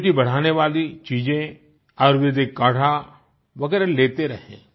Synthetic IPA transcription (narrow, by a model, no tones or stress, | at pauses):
ʈibɐɽ̤aːneʋaːlit͡ʃiːd͡ʒẽ | ɔːɾʋɪd̪ekːaːʈʰa | ʋɐɡɛːɾaleːt̪eɾɐɦḛ̃ː